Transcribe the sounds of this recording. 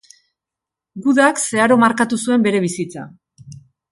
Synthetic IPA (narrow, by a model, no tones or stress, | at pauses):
ɡuðakse̞aɾo̞maɾkat̪usue̞mbe̞ɾe̞β̞isit͡sa̰